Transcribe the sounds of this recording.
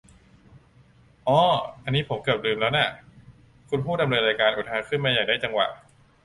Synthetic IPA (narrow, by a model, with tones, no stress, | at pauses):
ʔɔː˧˥˩ʔa˧nːiː˦˥pʰo˩˦mkɯ˨˩p̚lɯː˧mlɛː˦˥wna˥˩ | kʰu˧npʰu˥˩t̚da˧mnɤː˧nɾaː˧jkaː˧nʔu˨˩ɦaː˧˩kʰɯ˥˩nmaː˧jaː˨˩k̚aː˥˩t͡ɕa˧ŋwa̰˨˩ʔ